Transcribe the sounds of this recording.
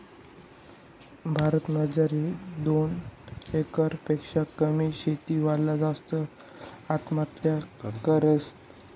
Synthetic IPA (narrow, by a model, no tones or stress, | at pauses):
bʱaɾət̪məd͡zaɾiːd̪onekəɾpekʂakəmiːɕet̪iːʋalːad͡zast̪ə | at̪mat̪jakəɾəst̪